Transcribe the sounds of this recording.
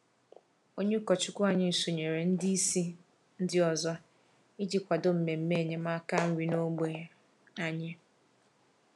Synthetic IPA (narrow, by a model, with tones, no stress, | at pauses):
o˦ɲe˦kɔ˨t͡ʃʊ˦kʷʊ˦a˨ɲɪ˦˨so˨ɲe˨ɾe˨n̩˦di˦i˦si˦ | n̩˦dɪ˦ɔ˨zɔ˦ | i˦d͡ʒi˨kʷa˨do˦m̩˨me˨m̩˦me˦˨ɲe˦ma˦ka˦n̩˦ɾi˨no˦ɡ͡be˨ | a˦ɲɪ˦